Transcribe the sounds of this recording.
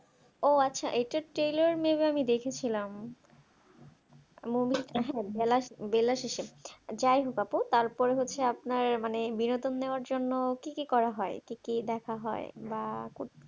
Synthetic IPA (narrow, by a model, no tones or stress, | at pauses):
oatːɕʰaʔejʈaʈɾejloɾmebeamid̪ekʰet͡ɕʰilam | mumiɦɛbelabelaʃeʃed͡ʑajɦokaput̪aɾpɔɾeɦotːɕʰeapnaɾmanebinod̪onːeoaɾd͡ʑonːokikikɔɾaɦɔekikid̪ɛkʰaɦɔebako